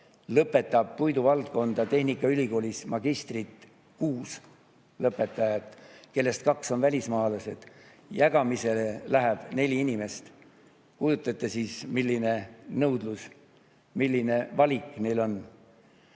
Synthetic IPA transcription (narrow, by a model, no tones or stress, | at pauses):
lɤpːe̞t̪ːˑɑb̥̚pujd̪uvɑlt̪̚ko̞nd̪̥ɑt̪e̞hnikːˑɑylʲiko̞ːlʲismɑɡ̥ist̪rit̪ | kuːs | lɤpːˑe̞t̪ːˑɑjɑt̪ːˑke̞lːe̞st̪̚kɑkso̞nvælʲismɑːlɑse̞d̪̥ | jæɡ̥ɑmise̞lelæɦæb̥ne̞lʲiinime̞st̪ | kujut̪ˑːɑt̪ːˑesiːsmilʲːine̞nɤwd̪lus | milːine̞vɑlʲikːˑne̞jlo̞n